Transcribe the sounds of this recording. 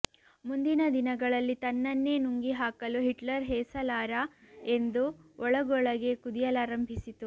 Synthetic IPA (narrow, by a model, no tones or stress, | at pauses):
mund̪inɐd̪inɐɡɐɭɐlːit̪ɐnːɐnːe̞ːnuŋɡiɦaːkɐluɦiʈlɐɾɦɛːsɐlaːɾae̞nd̪uɔɭɐɡɔɭɐɡe̞kud̪ijɐlaːɾɐmbʱisit̪u